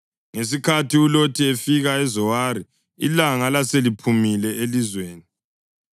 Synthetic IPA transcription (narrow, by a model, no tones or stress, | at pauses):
ŋes̬ikʰatʰiulotʰiefiɣaɛzɔwaɾi | ḭlaŋalaselipʰumilɛelizweːni